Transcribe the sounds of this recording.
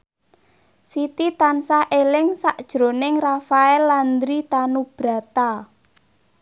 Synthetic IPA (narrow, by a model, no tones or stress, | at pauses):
sit̪it̪ansaʔelɪŋsaʔd̥ʒ̥ɾo̤nɪŋrafaɛlːand̪ɾit̪anub̥ɾa̤t̪a